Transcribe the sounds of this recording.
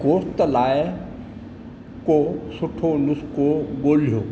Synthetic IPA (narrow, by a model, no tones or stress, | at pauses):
koːst̪laːɪ | kosʊʈʰonʊskoɠoːl̤ijoː